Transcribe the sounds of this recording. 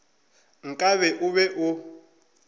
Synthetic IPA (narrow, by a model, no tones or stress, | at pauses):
ŋ̩kʼaβɛʔʊβɛʔʊ